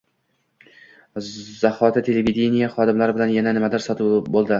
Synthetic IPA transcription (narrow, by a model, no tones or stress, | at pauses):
zahɒt̪ʰɪt̪ʰe̞levid̪ʲenijaχɒd̪ɪmlaɾɪbɪlanjananɪmad̪ɪɾsɒt̪ʰɪbolˠd̪ɪ